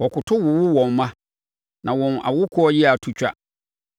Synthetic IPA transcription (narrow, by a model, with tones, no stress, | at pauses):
wɔ˨kʊ˨tʰʊ˦wʊ˨wʊ˦wɔ̃˨mmã˦ | nʔã˨wɔ̃˨na̰˨wʊ˦kʰʊ˦ɔ˦jɪ˦a˨tʰu˦t͡ɕᶣa̰˦